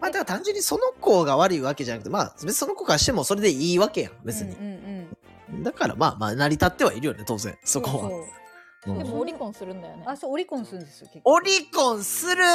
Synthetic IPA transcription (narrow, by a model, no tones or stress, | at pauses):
maːd̪akt̪ãɲ̟d͡ʑɨ̃ɲ̟ːiso̞no̞ko̞ːɡaβaɾɯ̟iβake̞ʑanakɯ̟t̪ema̰ːbe̞t͡sɨ̥isono̞ko̞ːkaɕi̥t̪e̞mo̞so̞ɾe̞d̪e̞iːβake̞jã̰be̞t͡sɨɲ̟ḭ̃ | d̪akaɾa̰ma̰ːma̰ːnaɾʲit̪at̪ːe̞βaiɾɯ̟jo̞ne̞t̪o̞ːzḛ̃sokoβa | ɯ̃ːd̪emiõsɨɾɯ̟̃nd̪ajonesooɾʲikõñsɨɾɯ̃d̪esokeoɾʲikõɰ̃sɨɾɯ̟